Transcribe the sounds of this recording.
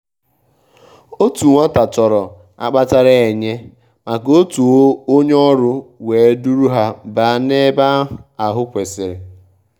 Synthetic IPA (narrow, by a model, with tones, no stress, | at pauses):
o˦tu˨ŋʷa˦ta˨t͡ʃɔ˨ɾɔ˨ | a̰˦k͡pa˦ta˦ɾa˦e˨ɲe˦ | ma˨ko˦tu˨˦o˦ɲ˦ɔ˦ɾʊ˦weː˨e˦du˦ɾu˦ɦa˦ba˨˦ne˦ba˦a˨ɦʊ˦kʷe˨sɪ˨ɾɪ˨